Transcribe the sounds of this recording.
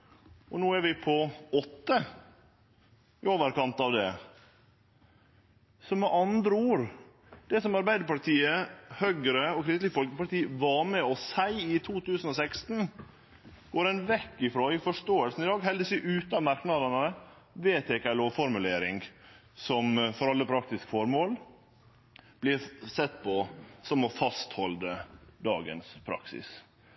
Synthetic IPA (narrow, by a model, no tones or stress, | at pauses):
ʔɔnuːæɾʋɪpʰɔɔt̪ːə | ɪoːʋəɾkɑnt̪ɑʋd̪ɛ | sɔmɛʔɑnd̪ɾəuːɾ | d̪̥ɛsɔmɑɾbæɪd̪əpɑt̪ʰiːəhœɡəɾəɔkʰɾɪst̪lɪɡəfɔlkəpɑt̪iːʋɑɾmɛɔsæɪɪt̪ʰuːt̪ʉːsn̩ɔsɛkst̪n̩ | ɡ̥oːɾɛɪnʋɛkːɪfɾoːɪfɔʂtoːəlsn̩ɪd̪ɑːɡɦɛld̪əsyːʔʉːt̪ɑmɑɾknɑd̪ɑnə | ʋeːt̪ʰeːkɑloːfɔɾmʉleːɾɪŋ | sɔmfɔɾɑlːəpʰɾɑk̚t̪ɪskə̥fɔɾmoːl | b̥lɪɾsɛt̪ːpʰɔsɔmɔfɑst̪hɔld̪əd̪ɑ̰ːɡə̰nspʰɾɑ̰ksɪ̰s